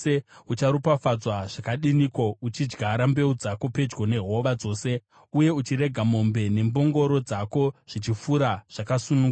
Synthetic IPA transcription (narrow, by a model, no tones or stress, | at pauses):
eut͡ʃaɾupafad͡zwaʐ̥akaɗinikwout͡ʃid͡ʒɡʱaɾambe̞ud͡zako̞pe̞d͡ʒɡo̞ne̞ɦo̞ʋad͡zo̞ːse̞ | uje̞ut͡ʃiɾe̞ɡʱamo̞mbe̞ne̞mbo̞ŋɡo̞ɾo̞d͡zako̞ʐ̥it͡ʃifuɾaʐ̥akasunuŋ